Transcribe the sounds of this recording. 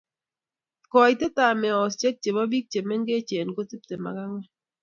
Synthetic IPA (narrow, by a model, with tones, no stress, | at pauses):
kɔ˨jte˦ta˨mɛ˨ɔ˨st͡ʃɛ˦k̚t͡ʃe˨bɔ˦bi˦k̚t͡ʃe˨mɛ˦ŋɡe˦t͡ʃe˨nko˦ti˦p̚te˨ma̰˨ka˦ŋwɛ˦